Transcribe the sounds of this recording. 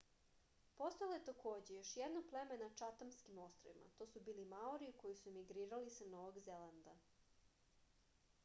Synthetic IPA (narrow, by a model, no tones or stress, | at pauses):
po̞st̪ojelˠajet̪akʰo̞ːd͡ʑejo̞ʃjed̪noɡ̚plemenat͡ʃat̪amskimo̞st̪ɾo̰ʋḭmʔa̰t̪o̞ːsubiːlimaoɾiuko̞jisumiɡɾiːɾalisano̞ʋoɡzeland̪a